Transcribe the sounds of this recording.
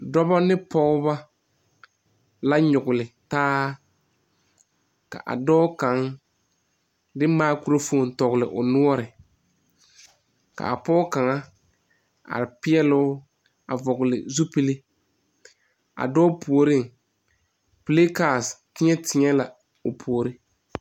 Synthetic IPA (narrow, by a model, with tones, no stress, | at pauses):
dɔ˦ba˦nɪ˦pɔ˦ʊ˦ba˦ | la˦ɲʊ˨ɡʊ˨lɪ˨taː˦ | ka̰˨ʔa̰˨dɔː˦ka˨˦ŋ | dɪ˦maː˦ku˦ɾo˦fo˦˨n˨tɔ˨ɣʊ˨lɪ˨ʔʊ˨nʊ˦ɔ˦ɾɪ˨ | ka̰˨a˨pɔː˦ka˨ŋa˦ | a̰˨ɾɪ˨pɪ˦ɛ˦lʊ˦ | a˨vɔ˨ɣʊ˨lɪ̰˨zu˦pi˦lɪ˦ | a̰˨dɔː˦pu˨o˨ɾɪ˦ŋ˨ | pleː˦ka˨stɪ˦ɲɛ˦tɪ˨ɲɛ˦la˨ | ʊ˨pʰu˨o˨ɾɪ˦